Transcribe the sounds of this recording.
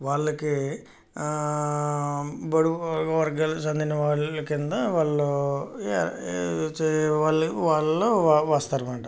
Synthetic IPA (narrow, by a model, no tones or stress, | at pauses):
ʋaːɭːɐki | bɐɽuʋɐɾɡalsɐnd̪inɐʋaːɭɐkind̪ɐʋaːɭloː | ʋaːɭɐʋaːɭɐloːaʋaːst̪aːɾumaːʈɐ